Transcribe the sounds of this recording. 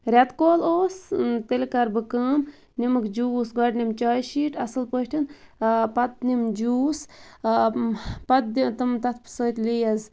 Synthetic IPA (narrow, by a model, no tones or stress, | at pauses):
ɾʲat̪koːloːst̪elkɐɾbɨkəːm | nimɨkd͡ʒuːsɡɐɖnimt͡ʃaːjʃiːʈɐsɨlpəʈʰinpɐt̪̚nimd͡ʒuːs | pɐt̪̚d̪it̪ɨmt̪ɐt̪ʰpsəːt̪lijɐz